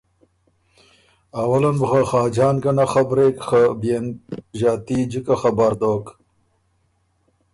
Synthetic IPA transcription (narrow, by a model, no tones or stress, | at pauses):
awɐlɐnbxaxɑːd͡ʒɑːnkanaxabɾekxabenʒɑːt̪id͡ʒikaxabaɾd̪oːk